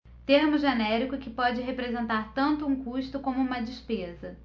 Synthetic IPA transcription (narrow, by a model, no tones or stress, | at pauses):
t̪eɾmʊʒenɛɾikʊkɪpɔd͡ʒɪɦepɾezẽnt̪aɾt̪ɐ̃nt̪ʊũkuʃt̪ʊkõmʊũmɐd͡ʒispezɐ